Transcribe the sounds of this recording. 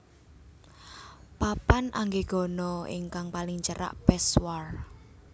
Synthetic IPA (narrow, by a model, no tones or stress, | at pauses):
papanʔaŋɡeɡ̥ɔ̤nɔɪ̰ŋkaŋpalɪŋt͡ʃəɾa̰ʔpɛswar